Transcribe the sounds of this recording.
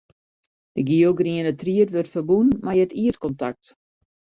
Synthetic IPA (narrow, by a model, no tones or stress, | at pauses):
dəɡioɡriənətriətʋørtfərbunmajətiətkɔnta̰k̚t